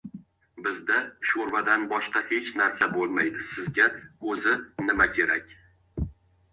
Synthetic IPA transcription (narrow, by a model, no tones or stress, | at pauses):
bɪzd̪aʃoɾvad̪anbɒʃqɑhe̞t͡ʃnaɾsabolˠmajd̪ɪsɪzɡʲaɵzɪnɪmakʲʰe̞ɾakʲ